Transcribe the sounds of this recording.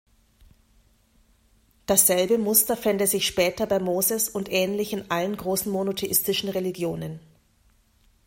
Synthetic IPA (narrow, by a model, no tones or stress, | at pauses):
d̥asz̥ɛlbəmʊstɐfɛndəzɪçʃpɛːtɐbaɪmoːzəsʊntʔɛːnlɪçɪnʔalənɡʁoːsn̩monotʰeʔɪstɪʃn̩ʁeliɡjoːnən